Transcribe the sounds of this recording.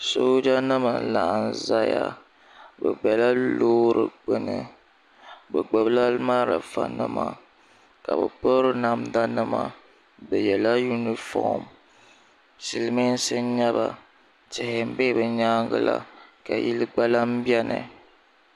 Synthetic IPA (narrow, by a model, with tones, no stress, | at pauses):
so˦d͡ʒa˦nɨ˦ma˨n˨la˨ʔn̩˨za˦ja˦ | bɛ˨ɡ͡bɛ˨la˦loː˦ɾɨ˨ɡ͡bɨ˨nɨ˨ | bɛ˨ɡ͡bɛ˨bla˦lma˦ɾa̰˨fa̰˨nɨ̰˦ma˨ | ka˨bɛ˨po˦ɾɨ˦na˨mda˦nɨ˦ma˨ | bɛ˨jɛ˨la˦ju˦ni˨fɔ̰˦˨m | si˨lmi˦n̩˦sɨ˦ɲa˦ba˨ | tɪ˨hɪ˨m̩˨be˦bɨ˨ɲaː˦ŋɡɨ˦la̰˦ka˨ji˦lɨ˦ɡ͡ba˦la˦m̩˦bjɛ˦nɨ̰˨